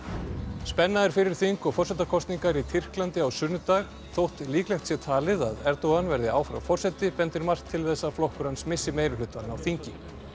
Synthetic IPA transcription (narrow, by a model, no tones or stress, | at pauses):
spɛnːaðɪɾ̥fɪɾɪɾ̥θiŋkɔɣfɔr̥sɛt̪akʰɔst̪niŋkaɾit̪ʰɪr̥klant̪ɪawsʏnʏt̪aɣ | θowht̪liːklɛxt̪sjɛt̪ʰaːlɪða̰ðɛɾt̪owɣanvɛɾðɪaːwfɾa̰wfɔr̥sɛt̪ɪpɛnt̪ʏɾmar̥t̪ʰːɪlθɛsːaflɔhkʏɾansmɪsːɪmeːjɾʏlʏt̪vanawθiɲcɪ